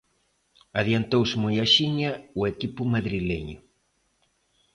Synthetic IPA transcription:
aðjant̪owsmojaʃiɲɐʊekipʊmaðɾilḛɲʊ

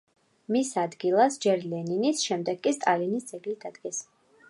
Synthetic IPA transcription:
misad̪ɡilˠasd͡ʒɛɾlɛninisʃɛmd̪ɛɡkːʼist̪ʼalinisd̪zɛɡlid̪ad̪ɡɛs

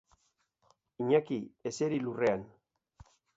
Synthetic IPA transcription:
iɲakieseɾilure̞an

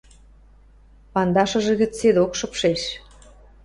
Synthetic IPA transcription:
pɑnd̪ɑʃə̆ʒĕɣə̆t͡sed̪okʃɤ̆pʃeʃ

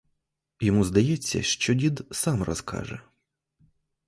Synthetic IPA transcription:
jɔmuzd̪ɐjɛt͡sʲːɐ̰ʃt͡ʃɔdʲid̪sɑmrɔ̰skʰɑ̰ʒɛ̰

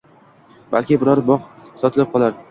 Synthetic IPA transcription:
b̥a̰lkʲɪbɪɾɒɾbɒqsɒt̪ʰɪlɪp̚qʰɒlˠaɾ

